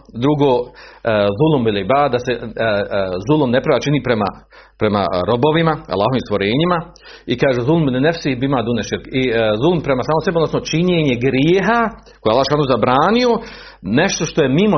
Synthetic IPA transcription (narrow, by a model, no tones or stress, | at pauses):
d̪ɾuɡoː | zulˠumilˠibaːd̪ase | zulˠumnepɾaʋaːt͡ʃiniːpɾema̰ | pɾema̰ɾo̞bo̞ʋimaa̰lˠaːɦoiːmst̪ʋoɾeːɲima | ikaːʒezulˠmnenefsiːbimaːd̪uneʃiɾkizulˠumpɾemasaːmoseeod̪nosnot͡ʃiɲeːɲe̞ɡɾjeːɦa | kojealˠːaːoʃanuːzabɾaːnio̞ | neʃt̪o̞ʃt̪o̞jemimo